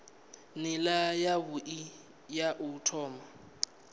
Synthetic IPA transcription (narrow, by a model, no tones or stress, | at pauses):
nɪlajaβuʔi | jaʔutʰɔːma